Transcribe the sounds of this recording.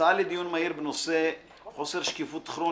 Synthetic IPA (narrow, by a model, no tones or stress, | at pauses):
alid̪junmaiɾbnose | χoseɾʃkifut̪χɾo